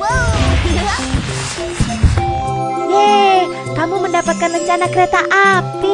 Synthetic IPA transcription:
je | kamuməndapat̪̚kanrəɲt͡ʃanakəɾet̪aʔapi

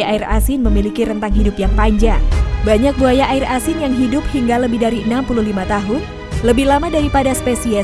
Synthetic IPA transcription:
aira̰sɪnməmilikiɾənt̪aŋɦidʊpjaŋpaɲd͡ʒaŋbaɲak̚buajaʔaɪrasɪnjaŋɦidʊp̚hiŋɡaləbɪhdaɾiənampuluɦlimat̪aɦʊn | ləbɪhlamadaɾipadaspesiɛ

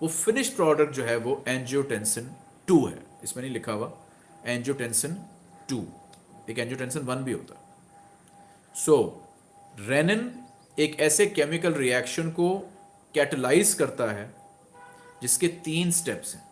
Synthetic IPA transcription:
ʋoːfɪnɪʃpɾɔːɖək̚ʈ̚d͡ʒoːɦɛʋoʔɛ̃ːnd͡ʒoʈɛ̃nsə̃n | ʈuːɦɛ̰ɪsmẽnɐɦĩlɪkʰaːʋa | ɛ̃ːɲd͡ʒoʈɛ̃nsə̃n | ʈṵːeːkɛ̃ːnd͡ʒjoːʈɛ̃nsə̃nʋɐnbʱiɦo̰ːt̪a̰ɦɛ | soː | ɾɛːnən | eːkɛːsekɛːmɪkəlɾiɛːkʃənko | kɛːʈəlaːɪzkɐɾt̪aɦɛː | d͡ʒɪsket̪iːnsʈɛpsɦɛ̰̃ː

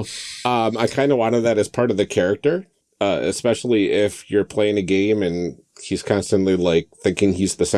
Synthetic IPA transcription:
ʌ̃maɪkʰãɪ̃ndəwɑ̃ñəðɨɾɨz̥pʰɑɹɾʌvðɨkʰɛɹɨk̚tə˞ | ʌɨ̰spɛʃl̩ˠiʔɪfjə˞pʰl̥eɪɪ̃ŋɨɡẽɪ̃mɨ̃n | hiz̥kʰɑ̃nstɨ̃nʔlilaɪk̚θɪ̃ŋkɪ̃ŋizðɨsẽ

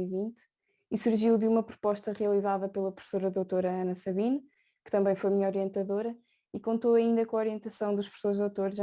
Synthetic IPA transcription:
ivĩnt̪ | isuɾʒiwðumɐpɾu̥pɔʃt̪ɐʁijɐlˠizaðɐpelˠɐpɾu̥fsoɾɐðowt̪oɾɐɐnɐsɐβinɐ | kɨ̥t̪ɐ̃mbɐ̃j̃fojmiɲɔɾiẽnt̪ɐðoɾɐ | ikõnt̪oɐĩnd̪ɐkõɔɾiẽnt̪ɐsɐ̃w̃d̪uʃpɾfsoɾʒðowt̪oɾʒ

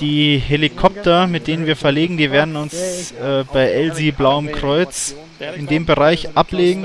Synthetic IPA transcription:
d̥iːɦelikʰɔp̚tɐmɪt̚d̥eːnənviːɐfɛɐleːɡŋ̩diːveːɐdn̩ʊnsɛːb̥aɪʔɛlziblaʊəmkʁ̥ɔʏt͡s | ɪndeːmbəʁaɪçʔapleːɡŋ̩

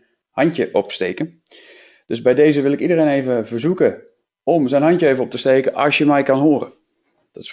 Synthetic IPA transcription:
hɑntjəʔɔpstejkən | d̥øsbɛjdeːzəʋɪlˠɪkidəreːneːvəvəɹzukə | ɔmzɛjnɦɑntjəevənɔp̚təstejkəʔɑ̰sjəmɛjkɑnɦoərə̰n | d̥ɔts

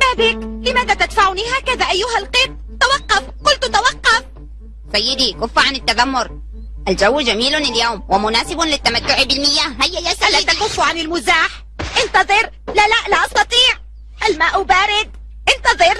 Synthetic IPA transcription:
maːbɪklɪmaːðat̪ad̪faʕʊnihaːkaðaʔajːʊɦalqɪb̚ | t̪awɑqːɑfqʊlt̪t̪awɑqːɑf | sajːɪd̪ikʊfːʕanɪt̪ːaðamːʊɾ | ʔald͡ʒawːd͡ʒamiːlnɪljawmwɪmʊnaːsɪbʊnlɪt̪ːamat̪ːʊʕbɪlmɪjːaːhhajːajasalːadt̪akʊfːʕanɪlmʊzaːħ | ʔɪnt̪ɑðˤɨɾ | lalaʔlaʔɑst̪ɑt̪ˤiːʕ | ʔalmaːʔʊbaːɾɪd̪̚ | ʔɪnt̪ɑðˤɨɾ

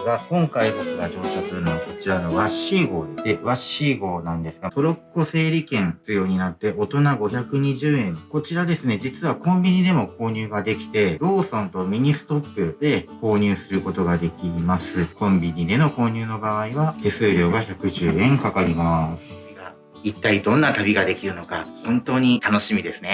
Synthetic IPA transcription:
ɡahõ̞ŋkaihotoɡad͡ʑo̞ːɕo̞ːsɨɾɯ̟noβako̞̥t͡ɕiɾano̞βaɕiɡo̞ːd̪et̪eβaɕiɡo̞ːnãnd̪e̞sɨ̥ɡat̪o̞ɾo̞kɯkose̞ːɾʲikẽ̞nt͡sɨjo̞ːɲ̟inat̪ːe̞ʔo̞t̪o̞naɡo̞çakɯ̟ɲ̟iʑɨːẽ̞nko̞t͡ɕiɾad̪e̞sɨne̞d͡ʑit͡sɨβakõ̞mbʲiɲ̟id̪e̞mo̞ko̞ːɲ̟ɨːɡad̪e̞kʲi̥t̪e̞ɾo̞ːsõ̞nt̪o̞mʲiɲ̟isɨ̥t̪o̞pːɯ̟d̪̥e̞ko̞ːɲ̟ʲɨːsɨɾɯ̟ko̞t̪o̞ɡad̪e̞kʲimasɨkõ̞mbʲiɲ̟id̪e̞no̞ko̞ːɲ̟ʲɨːno̞baaiβat̪e̞sɨːɾʲjo̞ːɡaçakɯ̟ʑɨːẽ̞ŋkakaɾʲimasɨ | ɡa | it̪ːaid̪õ̞nːat̪abʲiɡad̪e̞kʲiɾɯ̟no̞ka̰hõ̞nt̪o̞ːɲ̟it̪ano̞ɕimʲid̪e̞sɨne̞

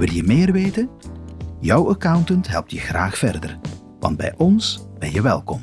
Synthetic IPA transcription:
ʋɪlˠjəmɪːrʋeːtən | jʌwəkawntəntɦɛlˠp̚tjəχraːχfɛrdə̰r | ʋɑ̰nd̚bɛ̰jʔɔnsb̥ɛnjəʋɛlˠkɔm

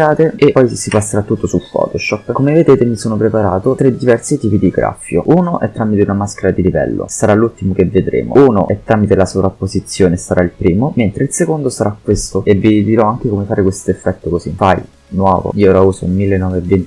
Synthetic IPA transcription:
aːt̪eepɔjsipasːeɾat̪ːut̪ːosulfɔ̰ːt̪oʃɔpːkomeved̪eːt̪emisoːnopɾepaɾaːt̪ot̪ɾed̪ivɛrsit̪iːpid̪iɡɾa̰fjo̰unoʔɛ̰t̪ːɾamit̪eunamaskeɾad̪ilivɛ̰lːo̰saɾalːult̪imok̟evːed̪ɾḛːmo̰uːno̰ʔɛt̪ːɾaːmit̪elasovɾapːozit̪sːjoːnesaɾailpɾiːmoment̪ɾeilsekond̪osaɾakːwest̪oevːid̪iɾɔaŋk̟ekomefaːɾekwest̪oefːɛt̪ːokozifa̰j | nwɔ̰ːvo̰ioɾauːzoilmilːenːɔveːvent̪

